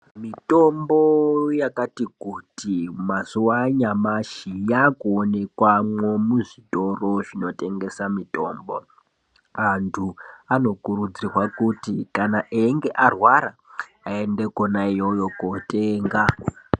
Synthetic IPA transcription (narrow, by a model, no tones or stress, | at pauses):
mito̞mbojakatikutimasuwaɲamaʃijakuone̞kwamwemuʐito̞ro̞ʐino̞te̞ŋɡe̞samito̞ːmbo̞ | antʰuano̞kurud͡zirwakutikanaʔeŋɡe̞ʔarwaɾa | ae̞nde̞konaijojokoteːŋɡa